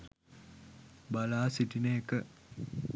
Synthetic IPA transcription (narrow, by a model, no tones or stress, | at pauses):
balaːsiʈinəekə